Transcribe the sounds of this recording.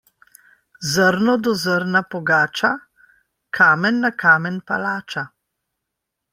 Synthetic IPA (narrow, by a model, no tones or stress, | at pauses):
zəɾnɔd̪ɔzəɾnapɔɡaːt͡ʃa | kʰaːmɛnːakʰaːmɛnpa̰laːt͡ʃa